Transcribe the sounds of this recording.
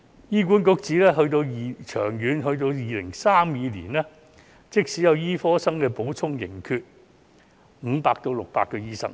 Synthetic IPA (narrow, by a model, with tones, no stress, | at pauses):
jiː˥kʷuː˨˥nkʊ˧˥k̚t͡siː˨˥lɛː˥ɦɵ˧ɥt̪o˧wjiː˨˧t͡ʃʰœː˨˩ŋjyː˨˧nɦɵ˧ɥt̪o˧wjiː˨lɪ˨˩ŋsaː˥mjiː˨˧lḭː˨˩nɛː˥ | t͡sɪ˥k̚siː˨˥jɐ˨˧wjiː˥fɔː˥sɐ˥ŋkɛː˧po˨˥wt͡sʰʊ˥ŋjɪ̰˨˩ŋkʰyː˧t̚ | m̩˨˧paː˧k̚t̪o˧wlʊ˨k̚paː˧kːɛː˧jiː˥sɐ̰˨k̚